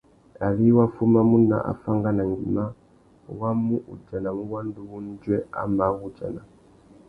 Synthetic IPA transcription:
a˨li˦wa˦fu˦ma˦mu˦na̰˨ʔa̰˨fa˦ŋɡa˦na˨ŋɡḭ˨ma˦ | wa˦mu˦ʔṵ˨d͡ʒa˨na˨mu˦wa˦n˦du˦βu˦n˦d͡ʒwɛ˦a̰˦ma˨ɣu˦d͡ʒa˨na˨

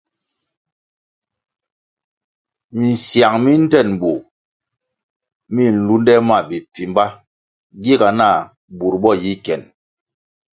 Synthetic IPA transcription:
mi˨n̩˨sja˨ŋmi˦n̩˦tɛ˦˨n˨bu˨ | mi˦˨n̩˨lu˦n˦dɛ˦ma˦˨bi˨p͡fi˨m˦ba˦ | ɡi˦ɡa˨na˦˨ | bu˨ɾbɔ˦˨ji˦kɛ˨n

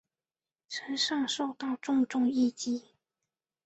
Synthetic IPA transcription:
ʈ͡ʂʰə˧˥nʂɑ˥˧ŋʂo˥˧ʊt̪ɑ˥˧ʊʈ͡ʂʊ˥˧ŋʈ͡ʂʊ˥˧ŋi˥˩t͡ɕi˥˩

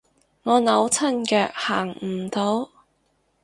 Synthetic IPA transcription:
ŋɔː˨˧nɐ˨˧˥wt͡sʰɐ˥nkœː˧k̚haː˨˩ŋm̩˨˩t̪o˨˥w

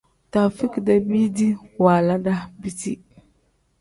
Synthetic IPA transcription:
ta˨fi˦kda˦bi˦di˦waː˨la˦da˦bi˨ti˦

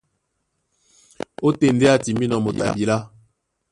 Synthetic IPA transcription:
o˦te˦˨n̩˨de˦a˦ti˨mbi˦nɔ˨mo˨ta̰˨bi˨la˦

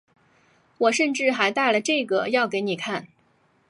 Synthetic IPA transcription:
wɔ˨˩ʂə˥˧nʈ͡ʂɻ̩˥˩xa˧˥ɪt̪a˥˩ɪlə˩ʈ͡ʂɤ˥˩ɡə˩jɑ˥˩ʊke˧˥ɪni˨˩kʰa˥˩n

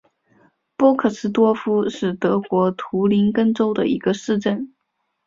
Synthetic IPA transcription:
pwɔ˥kʰɤ˥˩sɹ̩˥t̪̬wɔ˥˩fu˥ʂɻ̩˥˩t̪ɤ˧˥kwɔ˧˥t̪ʰu˧˥li˧˥nkɤ˥˧ŋʈ͡ʂo˥ʊd̪ə̰˨i˧˥ɡə˧ʂɻ̩˥˧ʈ͡ʂə˥˩n

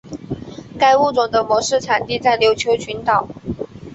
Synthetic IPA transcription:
ka˥˧ɪu˥˩t͡sʊ˨˩ŋd̪ə˦mwɔ˧˥ʂɻ̩˥˩ʈ͡ʂʰa˨˩nt̪i˥˧t͡sa˥˩ɪljo˧˥ʊt͡ɕʰjo˧˥ʊt͡ɕʰy˧˥nt̪ɑ˨˩˦ʊ

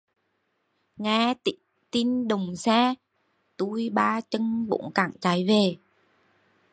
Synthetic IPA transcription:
ŋaː˧t̪i˧˨˥ŋ | t̪i˧nɗə˨˩wŋ͡msaː˧ | t̪u˧jɓaː˧t͡ɕə˧ŋɓo̰˧˥˦nkaː˧˩ŋt͡ɕa˨˦jve˨˩

